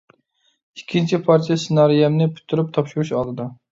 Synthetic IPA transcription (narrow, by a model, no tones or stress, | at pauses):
ikʲʰːint͡ʃʰipʰɑɾt͡ʃʰijɛsɨnɑɾijɛmnɪpʰy̥t̪ʰːyɾyp̚t̪ʰɑpʃuɾuʃɑlˠd̪ɨd̪ɑ